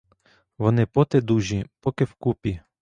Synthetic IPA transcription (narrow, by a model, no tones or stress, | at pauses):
ʋɔnɪpɔt̪ɛd̪uʒipɔkɪwkupʲi